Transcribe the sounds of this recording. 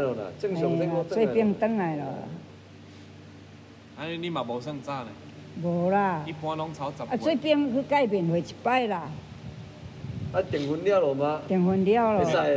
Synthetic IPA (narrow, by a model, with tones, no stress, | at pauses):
lɔ˨na̰˨t͡ɕə˥˨ŋo˧ŋse˧˦˧wpi˧ŋtt̪ə˧˥ŋla˨jlɔ̰˨la̰˨˩ | a˦ne˦nĩ˦mã˨˩bɔ˨˩˦sə˥˧ŋt͡sa˥˧˨na˨ | bo˨˩la˧˨i˦pw̃ã˧lɔ˨˦ŋt͡sʰa˨˦t͡sa˨a˧t͡so˦pi˧ŋkʰɨ˧˦ka˥˧˨jbe˨nwe˨˩t͡ɕʰi̥˨˩pa˥˨jla˧˨ | a˦t̪ji˨˩ŋhu˧ndja˦˨lɔ˨ma˧t̪i˨˩ŋhu˧ndja˥˧˨wlɔ˨˧˨sa˧˨